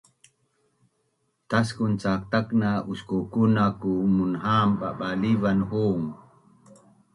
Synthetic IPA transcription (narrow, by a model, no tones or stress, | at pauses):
taskunt͡ʃak̚taknaʔuskokunakumunɦaːmɓa̰ɓalivanhoːŋ